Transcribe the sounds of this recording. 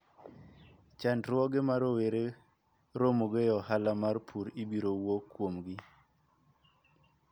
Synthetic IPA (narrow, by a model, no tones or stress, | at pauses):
t͡ʃandɾwɔɡemaɾoweɾe | ɾomoɡejɔhalamarpʰuɾibiɾowokːwomɡɪ